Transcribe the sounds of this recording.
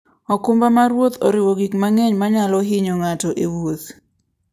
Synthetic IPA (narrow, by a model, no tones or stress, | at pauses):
ɔkʊmbamaɾwot̪ɔ̰ɾɪwoɡikmaŋɛɲmaɲalɔɦɪɲoŋatɔʔewot̪